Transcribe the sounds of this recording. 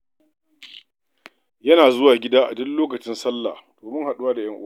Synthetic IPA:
jɐ˦naː˨zʊ˦waː˨ɡʲɪ˦daː˦ʔa̰˨dɔ˦nloː˦kɐ˨t͡ʃɪ˦nsɐ˦lːa̰˨hd̥oː˨mʊ˦ŋha˨ɗʊ˦waː˦da˨j̰ɐ˦ŋʔʊ˦

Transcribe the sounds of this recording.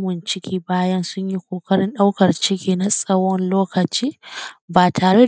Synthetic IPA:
mɪ˨nt͡ʃɪ˦kʲiː˦baː˦jɐ˦nsʊ˦ɲji˦kʷoː˨kɐ˦ɽɪ˦nɗa˦wkɐ˨rt͡ʃɪ˦kʲiː˦na˨sʼɐ˦wɔ˦nloː˦kɐ˨t͡ʃiː˦baː˨tʰaː˨ɽe˦

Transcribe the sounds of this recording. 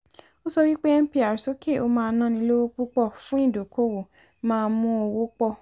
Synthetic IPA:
o˦sɔ˧wi˦k͡pe˦ɛ˦m̩˦pi˦a˨ɾso˨˦ke˦˨o˧mãː˧nã˦nĩ˧˦lo˦wo˦k͡pu˦k͡pɔ˦˨fũ˨˦ĩ˦˨do˨kʰo˦wo˨ | mãː˦˧˦mũ˦o˧wo˦k͡pɔ˦˨

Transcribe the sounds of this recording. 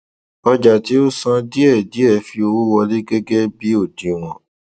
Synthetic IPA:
ɔ˧d͡ʒa˨ti˦o˦sã˧di˦ɛ˦˨di˨˦ɛ˦˨fi˧o˧wu˦wɔ˧li˦ɡe˦ɡe˦bi˨˦o˦˨dĩ˨w̃ɔ̃˨

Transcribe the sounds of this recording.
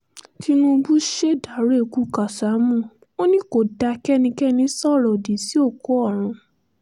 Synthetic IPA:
ti˧nũ˧bu˦ʃe˦da˨˦ɾe˦˨ku˦ka˨sa˨˦mũ˦˨ | o˦nĩ˦ko˨da˧kɛ˦nĩ˧kɛ˦nĩ˧˦sɔ˦˨ɾɔ˨di˨˦si˦o˦˨ko˨˦ɔ˦˨ɾ̃ũ˨˧˦

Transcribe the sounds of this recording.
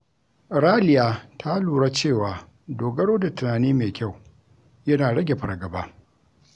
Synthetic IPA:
ɾaː˦lɪ˨jaː˨tʰa˦luː˨ɽa˦t͡ʃeː˦˨waː˨ | doː˨ɡɐ˦ɽoː˦da˨tʊ˨naː˨niː˦meː˨kʲa˦˨w | jɐ˦naː˨ɽɐ˦ɡʲe˨ɸɐ˨ɾɡɐ˨baː˦

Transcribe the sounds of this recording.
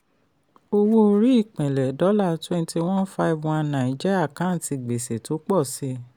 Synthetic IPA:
o˧wo˦˧ɾi˨˦i˦˨k͡pɛ̃˨lɛ˨dɔ˨˦la˦˨twɛ̃˧n˦ti˧w̃ɔ̃˦fa˦i˦˨vw̃ã˧˦nã˨i˨d͡ʒi˦a˦˨kã˨˦˨ti˧ɡ͡be˨se˨to˨˦k͡pɔ˦˨si˦

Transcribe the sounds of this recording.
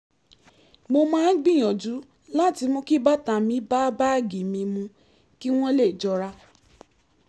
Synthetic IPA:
mo˧mãː˦ɡ͡bĩ˦˨j̃ɔ̃˨d͡ʒu˨˦ | la˦ti˧mõ˧ki˦ba˦ta˨mĩ˨˦ba˦ba˦˨ɡi˨mĩ˧mũ˧ | ki˦w̃ɔ̃˦le˦˨d͡ʒɔ˧ɾa˧

